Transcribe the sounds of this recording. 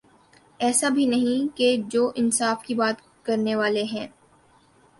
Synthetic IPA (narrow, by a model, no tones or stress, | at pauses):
ɛːsabʱinɐɦĩked͡ʒoːʔɪnsaːfkibaːt̪ | kɐɾneʋaːleɦɛ̃ː